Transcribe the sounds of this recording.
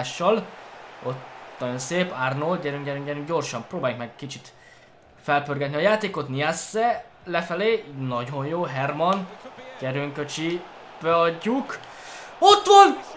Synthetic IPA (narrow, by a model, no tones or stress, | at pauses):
ʃːɒlot̪nɒjo̞nseːparnolɟɛɾøŋɡɟɛɾyŋɡɟɛɾyŋɟo̞rʃɒmproːbaːjuŋkmɛɡkit͡ʃit̪ | fɛlpørɡɛt̪niɒjaːt̪eːko̞t̪niasːɛ | lɛfɛleːnɒɟo̞njoːɦɛrmɒnɟ̥ɛɾøŋkøt͡ʃi | b̥ɛɒɟːuk | ot̪ʋɒn